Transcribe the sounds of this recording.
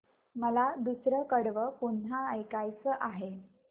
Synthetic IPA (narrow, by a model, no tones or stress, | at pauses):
məlad̪usɾəkəɽʋəpun̤ɦaəjkajt͡səʔaɦe